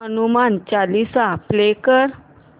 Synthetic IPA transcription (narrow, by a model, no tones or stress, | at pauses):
ɦənumant͡salisaplekəɾ